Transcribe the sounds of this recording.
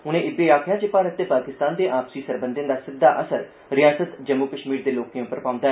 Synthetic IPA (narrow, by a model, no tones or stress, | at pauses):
ʊnẽːʔɪbeːaːkʰjaːt͡ʃɪpaːɾət̪ːeːpaːkɪst̪aːnd̪eːʔaːpsiːsəɾbə̃nd̪ɪ̃nd̪aːsɪd̪ːa̰ːʔəsəɾ | ɾɪjaːsət̪d͡ʒəmːuːkəʃmiːɾd̪eːloːkiẽʊpːəɾpãːʊ̃nd̪aːɛ